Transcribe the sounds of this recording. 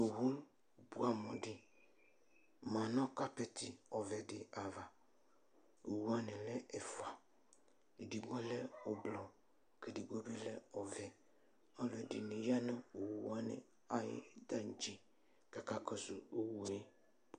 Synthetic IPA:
o˨wu˦l | bu˦a˨mɔ˨dɪ˨ | mã˨nɔ̃˦ka˦pɛ˦t̪ʰɪ˨ɔ˨vɛ˨dɪ˨a˨va˨ | o˨wu˦a˦nɪ˨lɛ˦ɛ˨fa˨ | e˨di˨ɡ͡bɔ˦lɛ˦ʊ˨blɔ˨ | ke˨di˨ɡɔ˦be˦lɛ˦ɔ˨vɛ˨ | ɔ˦lɛ˨dɪ˨nɪ̃˨ja˦nɔ̃˦o˨wu˨a˦nɪ̰˨ | a˨jɪ̰˦d̪a˦n̩˨d͡ʒi˦ | ka˨ka˦kɔ˦sʊ˨o˦wu˨e˦

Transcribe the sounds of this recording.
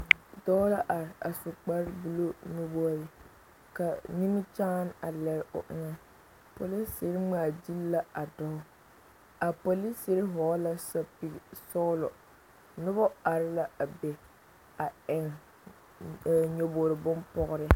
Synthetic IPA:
dɔ˦la˦ʔa˨ɾɪ˨a˨sʊ˨k͡pa˦ɾbu˦lo˦no˦bo˦ɾɪ˨ | ka˨ni˦m˦t͡ʃa˦n˦a˨lɛ˦ɾʊ̰˨ʔɪ̰˦ŋa˦ | po˨li˦sɪ˨ɾɪ˦ŋ͡ma˨di˦lːa˦a˨dɔ˦hʊ˦ | a˨po˨li˦sɪ˦ɾɪ˦ɦɔː˨˦la˦sa˨pi˨sɔ˦lɔ˨ | nʊ˦bɔ˦a˨ɾɪ˦la˦a˨be˨ | a˨ɪ˨ŋ˨ | ɲo˨boː˨ɾɪ˨bʊ˦npɔ˦ɣʊ˦ɾɪ˦

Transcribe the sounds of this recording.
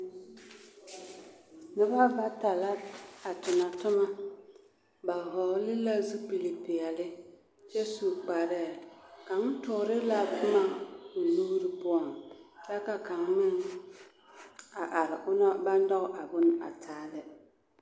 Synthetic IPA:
nɪ˦ba˦ba˦ta˨la˦a˨tʊ˨na˨tʊ˦ma˦ | ba˨ɦɔ˨˦lɪ˦la˦zu˦pi˨li˨pɪ˨ja˨lɪ˦ | t͡ʃɛ˦su˨k͡pa˨ɾɛ˦˨ka˨ŋ˦tʊ˨ɾɪ˦la˦˨kʊ˦ma˦ʊ˨lu˦ɾɪ˨pʊ˦ɔ˨ŋla˦ka˨ka˨ŋːɪ˦ŋ | a˨ʔa˨lɪ˨ʔʊ˦na˦ba˦n˦dɔ˦ɣʔa˨bʊ˦na̰˨tʰaː˦lɪ˦

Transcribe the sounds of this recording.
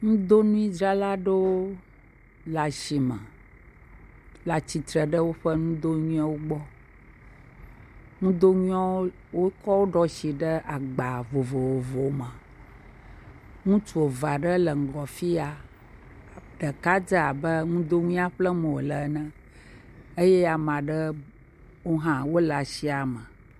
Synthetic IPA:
ŋũ˦d̪o˦nũ˦i˦d͡ʒɾa˦la˦ɖe˦wo˦ | la˨ʃi˨mɛ̃˨ | la˨t͡ɕi˨t̪ɾə˨ɖə˦wo˦ɸə˦ŋũ˦d̪o˦ɲũ˦ã˦wo˦ɡ͡bɔ˦ | ŋũ˦d̪o˦ɲũ˦a˦wo˦ | wo˦kɔ˦wo˦ɖɔ˦ʃi˨ɖə˦ʔa˨ɡ͡ba˨vo˨vo˨wo˨vo˨˦mã˨ | ŋũ˦t͡ʃu˨o˨va˨ɖə˦lə˨ŋ̩˨ɡɔ˨fi˦a˨ | ɖə˨ka˦d͡ʒə˦a˨bə˦ŋũ˦d̪o˦ŋũ˦a˦ɸlə˦mə̃˨wo˨lə˨˦nə̃˦ | e˦jɛ˦a˨mã˨ɖə˦ | wo˦ɦã˦wo˦la˨ʃi˦a˨mə̃˨

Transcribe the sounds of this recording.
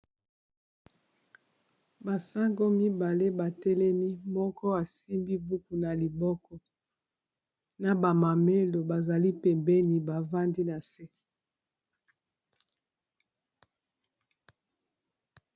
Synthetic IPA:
ba˨sa˦ŋɡo˦mi˦ba˨le˦ba˨tɛ˦lɛ˦mi˦mɔ˦kɔ˦a˨si˦mbi˦bu˦ku˨na˨li˨bɔ˦kɔ˦ | na˨ba˨ma˨me˦lo˨ba˨za˨li˦pɛ˨mbɛ˦ni˨ba˨va˦ndi˦na˨se˦

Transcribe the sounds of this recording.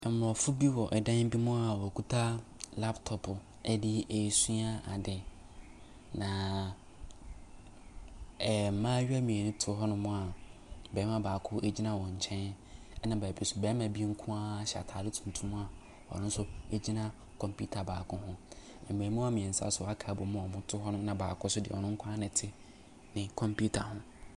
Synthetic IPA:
ɛ˨m̩˦mʊ˨ɔ˨fʊ˦bi˦wɔ˨ʔɛ˨dã˦m̩˦bi˦mʊ̃˦a˨wɔ˨kʰu˦tʰa˦la˦ptʰɔ˨pʰʊ˨ | ɛ˦dɪ˦e˨su˦a˦a˨dɪ˨ | nã˨ | m̩˨˦mãː˦ɥi˦a˦mĩ˨ɛ˨nʊ̃˦tʰʊ˨˦ɦɔ˦nʊ̃˨mʊ̃˦a˨bɛː˨˦mã˨baː˨kʰʊ˦ʔe˦d͡ʑi˦nã˦wɔ̃˨ɲ˨t͡ɕʰɛ̃˦n | ɛ˦nã˨ba˨bi˦˨sʊ˨bɛː˨˦mã˨bi˦ŋ̩˦kʰʊ̃˦a˦ɕa̰˨tʰaː˨dɪ˦tʰũ˨n˨tʰũ˦m̃˦a˨ | wɔ̰˨nʊ̃˦n˦sʊ˦e˦d͡ʑi˦nã˦ | kʰɔ̃˨mpʰu˦tʰa˨baː˨kʰʊ˦hʊ̃˦ | ɛ̃˨m˨ẽ˨mũ˦a˦mĩ˨ɛ̃˨n˨sa̰˦sʊ˨a˦kʰaː˨˦bʊ˨˦mʊ̃˦ɔ˨mʊ̃˦tʰʊ˦ɦɔ˦nʊ̃˦mnã˨baː˨kʰʊ˦sʊ˦dɪ̰˨ɔ˨nʊ̃˦ŋ̩˦kʷʰã˦nɪ̃˨tʰɪ˦ | nɪ̃˨kʰɔ̃˨mpʰu˦tʰa˨hʊ̃˦

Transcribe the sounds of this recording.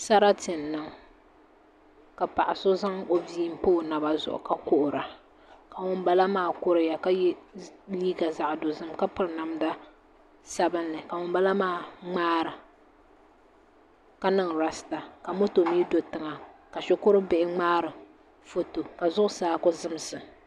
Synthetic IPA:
sa˦ɾa˦tɪ˨nː˨ɨ˨ŋ | ka˨pa˨ʔa˨so˦za˦ŋo˦viː˦m˦poː˦na˨ba˨zʊ̰˨ʔʊ̰˨ka˦kʊ˦ʔʊ˨ɾa˨ | ka˨ŋʊ˦mba˦la˦maː˦˨kʊ˦ɾɨ˨ja˨ka˦jliː˦ɡa˨za˨ʔdo˨zɨ˦mka˦pɨ˨ɾna˨mda˦ | sa˦bɨ˦nːɨ˨ka˨ŋʊ˦mba˦la˦maː˦˨ŋ͡maː˦ɾɨ˨ | ka˦nɨ˦ŋɾa˦sta˨ka˨mo˦to˨miː˦do˨tɨ˨ŋa˨ka˨ʃʊ˦kʊ˦ɾɨ˦bɪ˦ʔɪ˦ŋ͡maː˦ɾɨ˨ | fo˦to˨ka˨zʊ˦ʔʊ˦saː˦kʊ˦zɨ˦m˨sɨ˨

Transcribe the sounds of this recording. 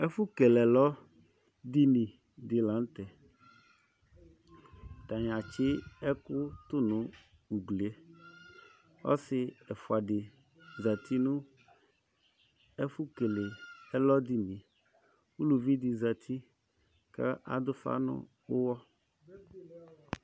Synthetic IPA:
ɛ˦fʊ˦ke˨lɛ˨lɔ˦ | d̪i˦nĩ˨ | dɪ˨la˨˦n˦t̪ɛ˨ | t̪a˨ɲ˨a˨t͡ʃɪ˦ɛ˦kʊ˦t̪ʊ˦nʊ̃˨ | u˨ɡle˨e˦ | ɔ̰˦sɪ˨ɛ˨fʊ˨a˨dɪ˨ | za˨t̪i˦nʊ̃˦ | ɛ˦fu˦ke˨le˨ɛ˦lɔ˦d̪i˦nĩ˨ | wu˦lu˨vi˦d̪ɪ˨za˨t̪ʰi˦ | kɛ̰˦ʔa̰˨d̪ʊ˦fa̰˦nʊ̰̃˦ | wʊ˦wɔ˦

